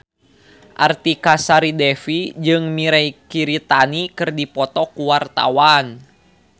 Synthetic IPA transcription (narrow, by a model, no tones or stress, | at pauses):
ʔart̪ikasaɾidɛfid͡ʒɨŋmiɾɛikiɾit̪anikɨrdipɔt̪ɔkuwart̪a̰wan